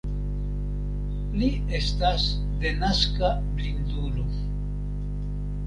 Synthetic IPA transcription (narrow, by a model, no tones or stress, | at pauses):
li | est̪as | d̪enaska | blind̪ulo